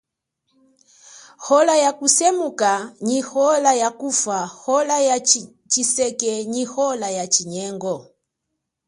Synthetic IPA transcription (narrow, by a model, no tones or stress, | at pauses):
hɔlajakusɛmukaɲihɔlajakufahɔlaja | t͡ʃisɛkɛɲihɔlajat͡ʃiɲɛŋɡɔ